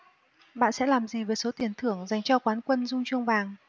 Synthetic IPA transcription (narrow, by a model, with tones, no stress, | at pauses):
ɓa̰ː˧˨nsɛ̰˧˥laː˨˩mzi˨˩vəː˨˩jso˨˦t̪i˨˩ənt̪ʰɨ˧˩əŋza˨˩jŋ̟t͡ɕɔ˧kwaː˨˦nkwə˧nzʊ˧ŋ͡mt͡ɕu˧əŋ͡mvaː˨˩ŋ